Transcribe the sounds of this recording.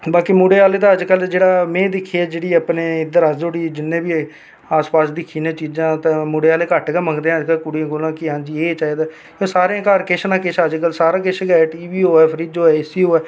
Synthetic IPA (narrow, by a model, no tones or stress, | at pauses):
baːkimoːɽeːaːleːt̪aːəd͡ʒkəld͡ʒeːɽaːmɛ̃ːd̪ɪkʰːiaːd͡ʒeːɽiːapneːɪd̪əɾasd͡ʒoːɽiːd͡ʒɪnːẽːbiː | aːspaːsd̪ɪkʰːiːnãːt͡ʃiːd͡ʒãːt̪ãːmoːɽeːaːleːkəʈɡɛməŋɡd̪eːãːəd͡ʒkəlkʊɽiãːkoːlãːkɪɦãːd͡ʒiːeːt͡ʃaːiːd̪aː | kjõːsaːɾeãːkaːɾkɪʃnãːkɪʃəd͡ʒkəlsaːɾãːk̬ɪʃɡɛːʈiːʋiːoːɛːpʰəɾiːd͡ʒ̪ɦoːɛːɪsiːɦoːɛː